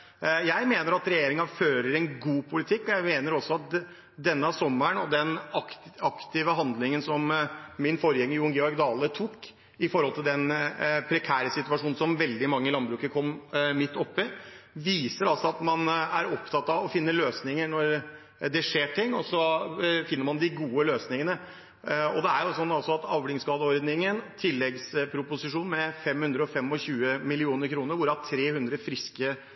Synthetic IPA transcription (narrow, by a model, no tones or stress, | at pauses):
jæɪmeːnəɾɑt̪ɾɛjeːɾɪŋɑføːɾəɾɛnɡuːpʰʊlɪt̪ʰɪkːɔjæɪmeːnəɾɔsːɔɑt̪̚ | d̪ɛnːəɑʋsɔmːəɳɔd̪ɛnɑkɑkt̪ɪʋəɦɑnd̪lɪŋənsɔmmɪnfɔɾjɛŋːəjʊŋɡɛɔɾɡd̪ɑːlət̪ʰuːkː | ɪfɔɾhɔlt̪ʰɪld̪ɛnpʰɾɛkʰæːɾəsɪt̪ʉɑʂuːnsɔmʋɛld̪ɪmɑŋːəɪlɑnbɾʉːkəkʰɔmːmɪt̪ːɔpːɪʋiːsəɾɑlsɔɑt̪mɑnæɾɔpt̪ʰɑt̪ːɑʋɔfɪnːəløːsnɪŋəɳɔɾ | d̪ɛʂeːʈʰɪŋːɔsɔfɪnːəɾmɑnd̪ɪɡuːəløːsnɪŋənə | ɔ̰d̪ɛæɾjʊsɔnːɑlsɔɑt̪ɑʋlɪŋskɑːd̪əɔɾd̪nɪŋənt̪ʰɪlːɛɡspʰɾʊpʊsɪʂuːnmɛfɛmhʉnd̪ɾəɔfɛmɔçʉːəmɪlɪuːnəɾkʰɾuːnəɾʋʊɾəɑʈʰɾeːhʉnd̪ɾəfɾɪskə